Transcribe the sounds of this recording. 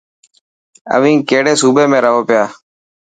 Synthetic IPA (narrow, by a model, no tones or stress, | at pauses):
ə̰ʋĩːkeːɽeːsuːbeːmẽːɾəɦoːpɪjaː